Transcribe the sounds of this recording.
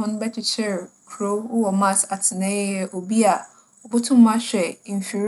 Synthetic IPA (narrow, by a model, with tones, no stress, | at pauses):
ɔ̃˦n˦bɛ˦t͡ʃʰɪ˨t͡ɕʰɛ˦ɾkʰɾo˦wɔ˨mã˦˨sa˨tʰɪ˨nɛ̃˦jɛ˦ʔo˨bi˦a˨ | ɔ˨bʊ˦tʰʊ̃˦m̩˦mã˦ɕᶣɛ˨n˨fi˨ɾ